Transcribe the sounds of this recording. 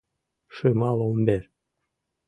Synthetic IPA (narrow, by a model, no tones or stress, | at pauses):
ʃɨmɑlˠombeɾ